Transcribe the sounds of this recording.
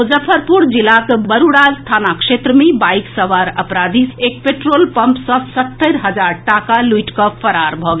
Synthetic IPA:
od͡ʒəpʰəɾpuɾd͡ʒilakbəɾuɽalst̪ʰanakʃet̪ɾəmebajksəʋaɾəpɾad̪ʱisek̚peʈɾolpəmpsɔ̃sət̪ːəɾɦəd͡ʒaɾʈakaluiʈkɔpʰəɾaɾbʱɔɡ

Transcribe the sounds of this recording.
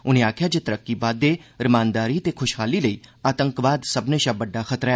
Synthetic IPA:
ʊnẽːaːkʰjaːd͡ʒeːt̪əɾəkːiːbaːd̪ːeːɾɪmaːnd̪aːɾiːt̪eːkʰʊʃɦaːliːləiːaːt̪əŋkʋaːd̪səbneːʃãːbəɖːaːxʰət̪ɾaɛ

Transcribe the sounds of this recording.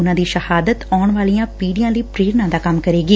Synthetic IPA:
ʊnãːd̪iːʃəhaːd̪ət̪aːɳʋaːlijãːpiːɖijãːləiːpɾeːɾnãːd̪aːkɐmkəɾeːɡiː

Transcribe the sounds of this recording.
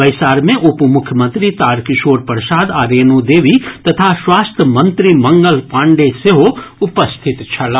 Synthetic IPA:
bɐjsaːɾmẽʔʊpumʊkʰjəmə̃nt̪ɾit̪aːɾkɪʃoːɾpəɾʃaːd̪aːɾeːnud̪eːʋit̪ɐt̪ʰaswaːst̪ʰəmɐ̃nt̪ɾimɐ̃ŋɡəlpãːɳɖeseɦoʊpəst̪ʰɪt̪t͡ʃʰɐla

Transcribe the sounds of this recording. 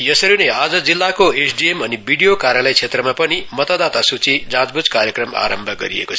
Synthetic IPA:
jʌsʌɾinead͡zʌd͡zilːakoesʰɖiemʌnibʱiɖijokaɾjalʌjt͡sʰet̪rʌmapʌnimʌt̪ad̪at̪asut͡sid͡zãd͡zbud͡zkaɾjekrʌma̰ɾʌmbʱʌɡʌɾḭḛkot͡sʰ

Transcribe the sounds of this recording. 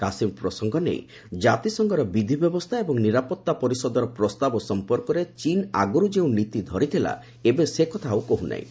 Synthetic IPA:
kasimpɾɔsɔŋɡɔnḛj | d͡ʒat̪isɔŋɡɔɾɔbid̪ʱibjɔbɔst̪ʰaebɔŋniɾapɔt̪ːapɔɾisɔd̪ɔɾɔpɾɔst̪abɔsɔmpɔɾkɔɾet͡ʃina̰ɡuɾud͡ʒeũnit̪id̪ʱɔɾit̪ʰila̰ | ebesekɔt̪ʰawkoɦuna̰ḭ̃

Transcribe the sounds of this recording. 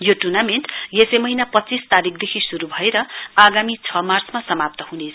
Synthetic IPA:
joʈurnameɳʈjesemʌɦinapʌt̪ːt͡sist̪aɾikʰd̪ekʰisuɾubʱʌeɾʌaɡamit͡sʰʌmart͡smasʌmap̚t̪ʌɦune

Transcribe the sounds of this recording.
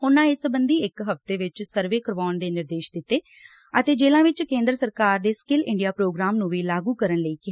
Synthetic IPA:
ɦʊnãːɪsəbənd̪iːɪkɦəft̪eːʋɪt͡ʃsəɾʋeːkəɾʋaːnd̪eːnɪɾd̪eːʃd̪ɪt̪ːeː | ət̪eːd͡ʒeːlãːʋɪt͡ʃkẽːnd̪ɾsəɾkaːɾd̪eːskɪlɪ̃ɳɖijaːpɾoːɡɾaːmnũːʋiːlaːɡuːkəɾənləiːkɪ

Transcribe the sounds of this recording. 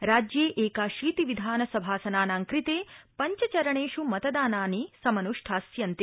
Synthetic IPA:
ɾaːd͡ʒjeːʔeːkaːʃiːt̪iʋid̪ʱaːnɐsɐbʱaːsɐnaːnaːŋkɾit̪eːpɐɲt͡ʃɐt͡ʃɐɾɐɳeːʃumɐt̪ɐd̪aːnaːnisɐmɐnuʂʈʰaːsjɐnt̪i

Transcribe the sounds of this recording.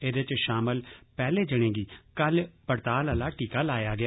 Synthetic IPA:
eːd̪ɪt͡ʃʃaːməlpɛːleːd͡ʒəɽ̃ẽːɡiːkəlpəɾt̪aːləlaːʈiːkaːlaːjaːɡɪa

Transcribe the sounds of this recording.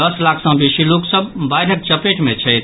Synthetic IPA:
əslakʰsə̃bisiloksəbbajɾək̚t͡ʃəpeʈmet͡ʃʰəjt̪

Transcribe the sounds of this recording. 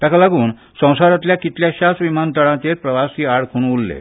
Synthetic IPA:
t̪jakʰalaɡuːn | sə̃w̃saɾat̪̬ljakit̪ljaɕasʋimant̪əɽãt̪eɾpɾəʋasiːaɽkʰuñulːḛ

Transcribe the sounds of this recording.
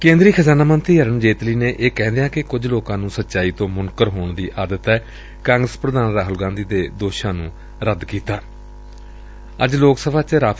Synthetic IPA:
kẽːnd̪ɾiːkʰəzaːnaːmənt̪ɾiːɦəɾənd͡ʒeːt̪liːneːʔeːkɛ̃ːnd̪ejãːkɪkʊd͡ʒloːkãːnũːsət̪ːʃaːiːt̪õːmʊnkəɾɦoːɳd̪iːʔaːd̪ət̪ɛː | kãːŋɡɾəspɾəd̪aːnɾaːɦʊlɡãːnd̪iːd̪eːd̪oːʃãːnũː | ɾəd̪kiːt̪aː | əd͡ʒloːksəbʱaːt͡ʃɾaː

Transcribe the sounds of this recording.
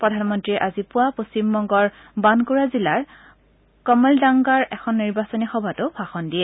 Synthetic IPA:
pɹɔdʱanmɔntɹiɛʔazipʊwapost͡ɕimbɔŋɡɔɹ | bankuɹazilaɹ | kɔmɛldaŋɡaɹɛxʰɔnːiɹbasɔnixɔbʱatʊpʰaxɔndiɛ

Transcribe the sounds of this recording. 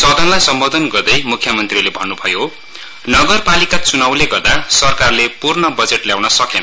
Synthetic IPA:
sʌd̪ʱʌnlajsʌmbod̪ʱʌnɡʌrd̪ʌjmukʰjʌmʌnt̪rilebʱʌnːubʱʌjo | nʌɡʌrpalikat͡sunawleɡʌrd̪asʌrkarlepurnʌbʌd͡zeʈljawnʌsʌkenʌ

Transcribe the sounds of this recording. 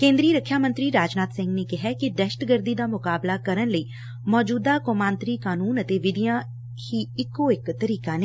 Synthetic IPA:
kẽːnd̪ɾiːɾəkʰːjaːmə̃nt̪ɾiːɾaːd͡ʒnaːt̪sɪ̃ŋɡneːkɪɦɛːkɪɖɛʃʈɡəɾd̪iːd̪aːmʊkaːblaːkəɾənləiː | mɔːd͡ʒuːd̪aːkoːmãːnt̪ɾiːkaːnuːnət̪eːʋɪd̪ɪjãː | hiːɪkːoːɪkt̪əɾiːkaːne

